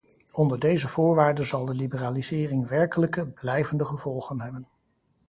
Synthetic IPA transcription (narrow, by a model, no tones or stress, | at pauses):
ɔndəɹdejzəv̥ʊːɹʋaːɹdənzɑlˠdəlibəraːlizɪːrɪŋʋɛɹkələkəblɛjvəndəχəv̥ɔlˠχənɦɛbən